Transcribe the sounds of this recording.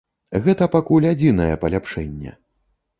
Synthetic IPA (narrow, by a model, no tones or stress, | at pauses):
ɣɛt̪ɐpakulʲad͡zʲinɐjɛpɐlʲapʂɛnʲːɛ̰